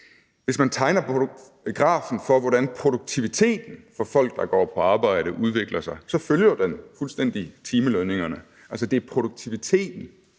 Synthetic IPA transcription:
ʋe̝smænt͡sʰɑ̈ɪnɐ | ɡ̥ʁɑ̰̈ːfn̩fɒ̽ʋɒdænpʰʁo̝d̥uɡ̥̚t͡sʰiʋit͡sʰe̝̰ːd̥n̩fɒ̽fɒ̽l̰ɡ̥̚d̥ɑ̈ɡ̥ɒ̰ːpʰɒ̽ɑ̈ːb̥ɑ̈ɪ̰ɾ̥əʔuðˠʋeɡ̥lɐsɑ̈ɪsɒ̽føljɐd̥enfulsd̥en̰d̥it͡sʰiːməløne̝ŋɐnə | æls̬əd̥e̝æɐpʰʁo̝ɾ̥oɡ̥̚t͡sʰiʋit͡sʰe̝̰ːd̥n̩

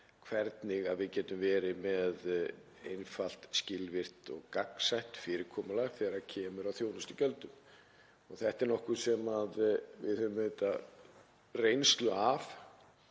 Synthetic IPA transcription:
kʰvɛɾt̪nɪɣaðvɪðcɛːt̪ʏmvɛːɾɪmɛð | ejnfal̥t̪scɪlvɪr̥t̪ɔ̰ɣkaksajht̪fɪːɾɪɾkʰɔːmalaɣθɛːɾacʰɛːmʏɾawθjoːwnʏst̪ʏcœlt̪ʏm | ɔɣθɛht̪ɛɾnɔhkʏɾ̥sɛmaðvɪ̰ðhʏvʏmet̪a | rejnst̪lʏaf

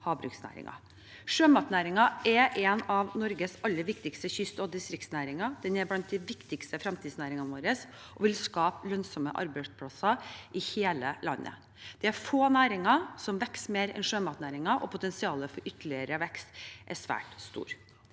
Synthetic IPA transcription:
hɑːbɾʉ̰ksnæ̰ːɾɪ̰ŋɑ̰ | ʂøːmɑt̪næːɾɪŋɑʔɛɾʔɛnɑʋnɔɾɡəsɑlːəɾʋɪkt̪ɪkst̪əçʏst̪ɔd̪ɪst̪ɾɪk̚t̪snæːɾɪŋɑd̪ɛnæblɑnt̪̚d̪æɪʋɪkt̪ɪkst̪əfɾɑmt̪ʰid̪snæːɾɪŋɑnəʋoːɾəs | ʔɔʋɪlskɑːplœnsɔmə̰ʔɑ̰ɾbæɪspʰɽɑsɑʔɪheːləlɑ̰nːʔə̰ | d̪̥ɛæɾfoːnæːɾɪŋɑsɔmʋɛksmeːɾɛ̰nʂøːmɑːt̪næːɾɪŋɑʔɔpʰʊt̪ɛnsɪɑːləfɔɾʏt̪ːəɭɪəɾəʋɛkst̪ʔæsʋæ̰ːʈst̪ṵːɾ

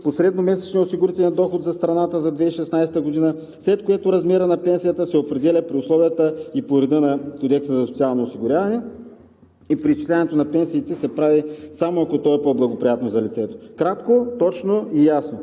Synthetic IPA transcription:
posɾɛd̪nomɛsɛt͡ʃnijəosiɡʊɾit̪ɛlʲinɐd̪ɔxot̪zɐst̪ɾɐnat̪əzɐd̪vɛiʃɛsnajst̪əɡod̪inə | slɛt̪kojat̪oɾɐzmɛɾənɐpɛnsijət̪əsɛopɾɛd̪ɛlʲəpɾiʊslˠɔvijət̪əipoɾɛd̪ənɐkod̪ɛksəzɐsot̪sialˠnoːsiɡʊɾʲavɐnɛ | ipɾist͡ʃislʲanʲɛt̪onɐpɛnsiːt̪ɛsɛpɾavisamoɐkot̪ɔɛpoblˠɐɡopɾijat̪nozɐlit̪sɛt̪o̥kɾat̪kot̪ɔt͡ʃnoijasno

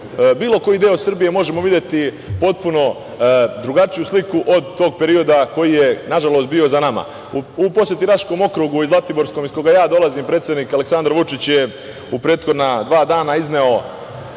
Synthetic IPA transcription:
biːlˠo̞ko̞jid̪eosr̩bije̞mo̞ʒe̞moʋid̪je̞t̪i | po̞t̪̚puno̞ | d̪ɾuɡat͡ʃijuslikuʔo̞d̪t̪o̞ːɡ̚pe̞ɾio̞d̪ako̞jijenaʒalˠost̪̚biːo̞zanama̰ | upo̞sjet̪iɾaʃko̞mo̞kɾuɡuizlˠat̪ibo̞ɾsko̞ːmisko̞ɡajaːd̪o̞laziːmpɾet̪sed̪nikale̞ksand̪ɾaʋut͡ʃit͡ɕje | upɾe̞ːt̪xo̞d̪nad̪ʋaːd̪aːnaizne̞o̞

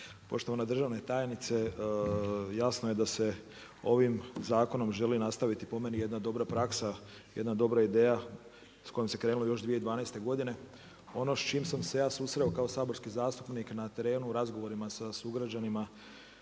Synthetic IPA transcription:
po̞̰ʃt̪o̞ʋanad̪r̩ʒaʋne̞t̪aːjnit̪se̞ | jasnoje̞d̪ase̞ | o̞ʋimzaːko̞no̞mʒe̞linast̪aʋit̪ipo̞me̞nije̞d̪nad̪o̞bɾapɾaksa | je̞d̪nad̪o̞bɾaid̪e̞ːja | sko̞jemse̞kɾe̞ːnulojo̞ʃd̪ʋijeid̪ʋaːnɛjst̪e̞ɡo̞d̪ine̞ | o̞no̞st͡ʃiːmsamse̞jaːsusɾe̞o̞kao̞saːbo̞ɾskizaːst̪upniknat̪e̞ɾe̞ːnuːɾazɡo̞ʋo̞ɾimasasuɡɾad͡ʑanima

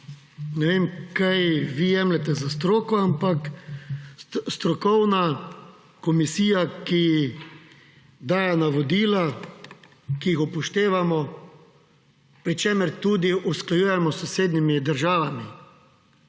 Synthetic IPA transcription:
nɛʋeːmkajʋijɛmlɛt̪ɛzast̪ɾoːkɔampak | st̪ɾɔkɔwna | kɔmisiːjaki | d̪aːjanaʋɔd̪iːla | kiixupɔʃt̪eːʋamɔ | pɾit͡ʃeːməɾt̪ud̪iʔusklajuːjɛmɔsɔseːd̪nimid̪əɾʒaːʋami

